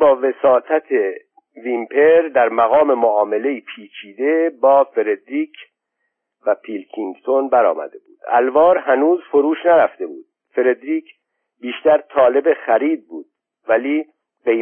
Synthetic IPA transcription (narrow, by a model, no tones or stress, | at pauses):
bɒːve̞sɒːt̪ʰæt̪ʰe | vimpʰe̞ɾd̪æɾmæɣɒːme̞moɒːme̞le̞iːpʰiːt͡ʃʰiːd̪e̞bɒːfe̞ɾed̪ɾiːkʰ | væpʰilkʰiŋɡt̪ʰonbæɾɒ̰ːmæ̰d̪e̞bṵːd̪̥æ̰lvɒːɾhænuːzfoɾuːʃnæɾæft̪e̞buːd̪̥ | fe̞ɾe̞d̪ɾiːc | biːʃt̪æɾt̪ʰɒːle̞bexæɾiːd̪̚buːd̪̥̚ | væliː | ɢe̞j